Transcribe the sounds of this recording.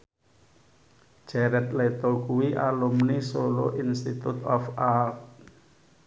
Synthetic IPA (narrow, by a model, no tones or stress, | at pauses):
d͡ʒ̥ɛɾɛt̪̚let̪okuwiʔalumnisoloʔinst̪it̪ut̪ɔfalt